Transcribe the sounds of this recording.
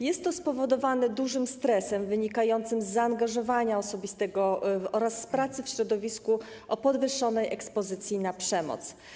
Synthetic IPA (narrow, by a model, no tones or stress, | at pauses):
jɛst̪ːɔspɔvɔd̪ɔvanɛd̪uʐɘmst̪ɾɛsɛmvɘɲikajɔnt̪sɘmzːaːŋɡaʐɔvaɲaɔsɔbʲist̪ɛɡɔɔɾasːpɾat̪sɘfɕɾɔd̪ɔvʲisku | ʔɔpɔd̪vɘʂːɔnɛjʔɛkspɔzɘt̪sʲjinapʂɛmɔ̰t̪s